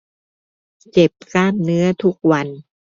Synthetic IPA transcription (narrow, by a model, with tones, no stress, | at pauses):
t͡ɕe˨˩p̚kaː˥˩mnɯ˦˥ɐt̪ʰu˦˥k̚wa˧n